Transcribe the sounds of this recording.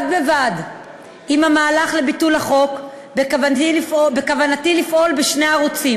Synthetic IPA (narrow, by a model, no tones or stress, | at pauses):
d̚bevad | imhamaːlaχle̞bitulaχo̞k | bekavifbekavanatilifʔo̞lbeʃneaaʁut͡sim